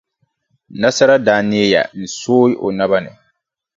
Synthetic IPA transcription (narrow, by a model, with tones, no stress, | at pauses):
na˦sa˦ɾa˦daː˨˦nɪ˦ja̰˨n̩˨soː˦ɪ˦ʔo̰˨na˦ba˦nɪ̰˨